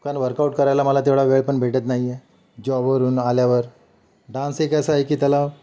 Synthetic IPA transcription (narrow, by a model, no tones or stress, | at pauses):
ukanʋəɾkauʈkəɾajlaməlat̪eʋɭaʋeɭpəɳbʱeʈət̪naɦijɛ | d͡ʑɔʋəɾuːnaljaʋəɾ | ɖãnsekasaekiːt̪jala